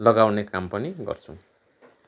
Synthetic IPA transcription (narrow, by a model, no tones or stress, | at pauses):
lʌɡawnekampʌniɡʌ̰rt͡sʰṵ̃